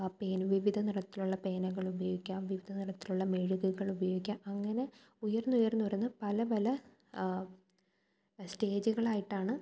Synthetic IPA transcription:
peːnʋiʋid̪ʱɐniɽɐt̪ːiluɭːɐpe̞ːnɐɣɐɭubɐjo̞ːɡikʲːaːmʋiʋid̪ʱɐniɽɐt̪ːiluɭːɐmeɻuɣuɣɐɭubɐjo̞ːɡikʲːaːmɐŋːɐne̞ | ujɐrnːujɐrnːuʋɐrunːɐpɐlɐpɐlɐ | ste̞ːd͡ʑuɣɐɭaːjiʈːaːɳɨ

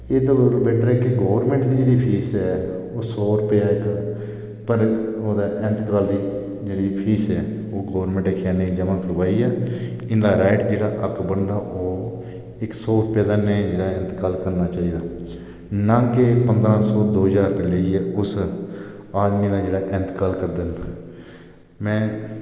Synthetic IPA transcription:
eːd̪oɾbɛːʈɾɛːkɪɡoːʋəɾmɛ̃ːɳʈd̪iːd͡ʒeːɽiːpʰiːsɛː | oːsɔːɾʊpeaːɪk | pəɾoːd̪aːʔɛ̃nt̪kaːld̪iː | d͡ʒeːɽiːpʰiːsɛː | oːɡoːʋɾmɛ̃ɳʈeːkʰːjaːnə̃ĩːd͡ʒəmãːkʰəɾʋaːiːɛːɪ̃nd̪aːɾaːɪʈd͡ʒeːɽaːʔəkbəɳɖaːʔoː | ɪksɔːɾʊpjːd̪aːned͡ʒeːɽaːɪ̃nt̪kaːlkəɾnaːt͡ʃaːiːd̪aː | nãːkepənd̪ɾãːsɔːd̪oːɦəzaːɾpəleiːɛːʊs | aːd̪miːd̪aːd͡ʒeːɽaːʔɛ̃nt̪kaːlkəɾd̪əna | mɛ̃ː

